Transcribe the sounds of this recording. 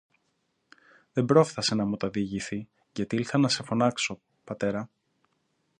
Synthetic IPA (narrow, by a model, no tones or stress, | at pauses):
ðe̞mbɾo̞fθɐse̞nɐmut̪ɐðiʝiθi | ʝɐt̪iilθɐnɐse̞fo̞nɐkso̞ | pɐt̪e̞ɾɐ